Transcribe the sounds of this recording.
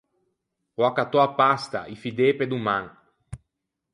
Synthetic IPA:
oakat̪ɔapast̪a̰ʔifid̪eped̪umãŋ

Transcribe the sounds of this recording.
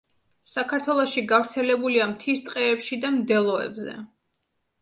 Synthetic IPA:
sakʰaɾt̪ʰwɛlˠɔʃiɡavɾt̪sʰɛlɛbuliamt̪ʰist̪ʼqʼɛːpʃid̪amd̪ɛlˠɔɛ̰bzɛ̰

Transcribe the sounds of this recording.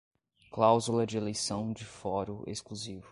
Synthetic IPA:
klawzulɐd͡ʒɪelejsɐ̃w̃d͡ʒɪfɔɾʊʔḛskluzivʊ

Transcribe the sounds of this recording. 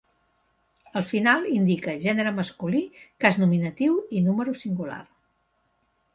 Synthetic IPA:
əlˠfinalˠind̪ikəʒɛnəɾəməskulikaznuminət̪iwinuməɾusiŋɡula̰r

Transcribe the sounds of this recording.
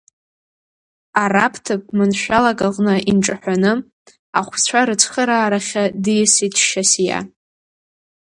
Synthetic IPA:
arapʰtʰɨp̚ʼmɨnʃʷᶣalaɡʼaʁʼnɨʔinʈ͡ʂʼaħʷᶣanɨ | aχʷt͡sʷʰaɾɨt͡sʰχəɾaːɾaχʲadɨjsitʰʼʃasja̰

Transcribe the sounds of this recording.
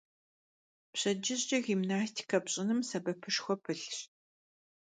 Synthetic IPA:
pɕɐd͡ʒɪʑɕɐɣimnaːstʰi̥kʰɐpɕʼɪnɨmsɐbɐpʰɨʂxʷɔpʰɨɬɕ

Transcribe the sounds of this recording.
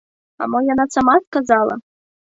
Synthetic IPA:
a̰mɔjanat̪samaskazalˠɐ̰

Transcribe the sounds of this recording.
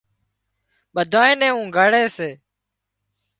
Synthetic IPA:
ɓəd̪ʱaːẽːnɛ̃ːũːɡʱəɽeːseː

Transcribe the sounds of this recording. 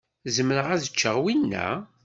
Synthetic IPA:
zəmːənəʁæðət͡ʃːəʁwinːæ̰

